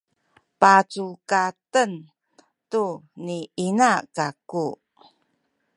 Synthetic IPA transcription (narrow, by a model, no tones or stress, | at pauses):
pat͡sukatən | tuniinakaku